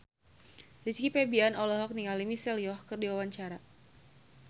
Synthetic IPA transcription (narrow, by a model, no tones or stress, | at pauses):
liskipɛbianɔlɔɦɔk̚niŋalimisɛlijɔhkɨrdiwawaɲt͡ʃaɾa